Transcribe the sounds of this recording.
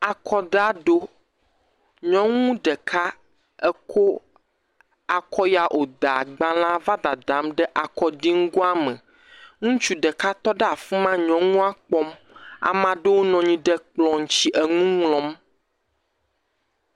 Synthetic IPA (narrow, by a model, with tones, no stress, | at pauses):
a˨kɔ˦d̪a˦ɖo˦ | ɲɔ̃˦ŋũ˦ɖɛ˨kʰa˦ | ɛ˦kʰo˦ | a˨kɔ˦ja˨ʔo˨d̪a˨ɡ͡bã˨l̃ã˦va˦d̪a˨d̪ã˨˦mɖɛ˦ʔa˨kɔ˦ɖi˦ŋ̩˦ɡo˦a˦mɛ̃˨ | ŋũ˦t͡ʃu˦ɖə˨ka˦t̪ɔ˦ɖɛ˦a˨fi˦mã˦ɲɔ̃˦ŋũ˦a˦k͡pɔ˦m | a̰˨mã˨ɖe˦wo˦nɔ̃˨ɲĩ˨ɖɛ˦k͡plɔ̃˨ŋ̩˨t͡ɕi˦ʔɛ˨ŋũ˦ŋlɔ̃˦m